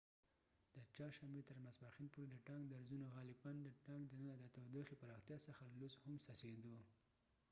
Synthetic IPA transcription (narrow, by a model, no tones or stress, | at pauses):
d̪̥ət͡ʃɑɾʃambet̪əɾmasbaxinpoɾed̪əʈɑŋɡd̪aɾzunoɣɑlɪband̪əʈɑŋɡd̪ənənad̪ət̪awd̪oxepaɾɑxt̪jɑsəxalluzhʊmsased̪o